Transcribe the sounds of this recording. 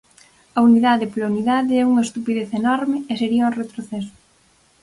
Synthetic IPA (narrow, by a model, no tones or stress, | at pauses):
ɐuniðaðɪplauniðaðɪɛuŋɐest̪upiðeθenɔɾmɪeseɾiɐuret̪ɾoθɛsʊ̥